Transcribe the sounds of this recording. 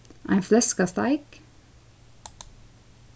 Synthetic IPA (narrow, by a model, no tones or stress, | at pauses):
ʔæ̰ɪflɛskəst̪ɑ̰ɪk